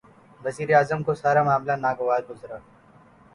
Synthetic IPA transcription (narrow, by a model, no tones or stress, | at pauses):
ʋɐziːɾeaːzəmkosaːɾamaːmlanaːɡoʋaːd̪̚ɡʊzɾaː